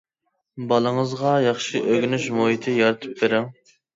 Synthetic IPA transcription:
bɑlˠəŋəzʁɑjɑχʃiʔøɡʲynyʃmoɦit̪ʰɪjɑɾɨt̪ʰɨ̥p̚beɾɪŋ

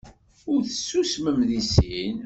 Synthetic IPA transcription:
ʊɾθə̥sːusməmðisin

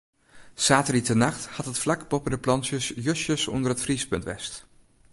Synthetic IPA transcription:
saːtəritənɑχthɑtɦətflɑkbɔpədəplɑnsjəsjøsjəsɔ̰ndərɦətfrispɵ̰ntʋɛ̰st

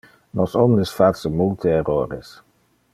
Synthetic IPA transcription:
nɔsɔmdəsfatsəmult̪ʰəɛɾoːɾḛs

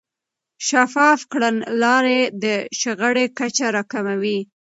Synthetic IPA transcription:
ʃafɑfkɽanlɑɾed̪əʃəɣəɽekat͡ʃaɾɑkamawi

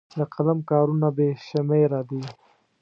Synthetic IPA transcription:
d̪əqʰalamkɑːɾunabeʃamejɾad̪i

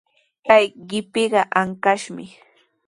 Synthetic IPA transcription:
kajɢɪpɪɢɑʔaŋkaʃmɪ

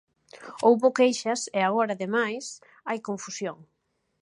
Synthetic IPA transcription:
owβokejʃɐseaɣ̞oɾaðemajs | ajkõɱfusjoŋ

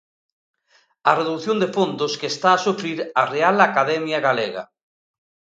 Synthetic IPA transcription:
areðuθjond̪efond̪oskest̪aːsufɾiɾarealakaðɛmjaɣaleɣa̰

